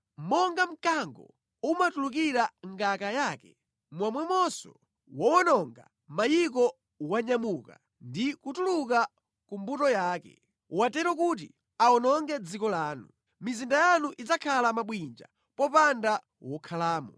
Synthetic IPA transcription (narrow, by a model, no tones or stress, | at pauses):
mɔŋɡam̩kaŋɡɔ̰ | umatuluk̬iɾaŋɡakajaːkɛ | mwamwɛmɔsɔ̰ | wɔwɔnɔŋɡa̰ | majik̬ɔ | waɲamuka̰ | ndikutuluka | kumbutɔjaːkɛ̰ | watɛɾɔk̬ut̬ḭ | aɔnɔŋɡɛd͡zikɔlaːnṵ | mizindajanuʔit͡sakʰalamaɓwind͡ʒa̰ | pɔpanda | wɔkʰalaːmɔ